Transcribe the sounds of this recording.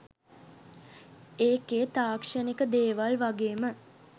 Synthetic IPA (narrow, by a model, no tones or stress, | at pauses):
eːkeːt̪aːkʂənikəd̪eːʋalʋaɡeːmə